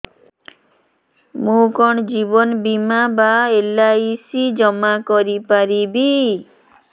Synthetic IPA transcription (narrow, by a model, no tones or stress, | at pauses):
mũkɔɳd͡ʒibɔnbimabaelaisid͡ʒɔmakɔɾipaɾibi